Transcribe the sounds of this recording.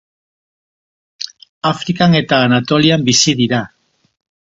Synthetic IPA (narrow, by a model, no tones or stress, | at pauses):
afɾikane̞t̪aːnat̪o̞liambisiðiɾa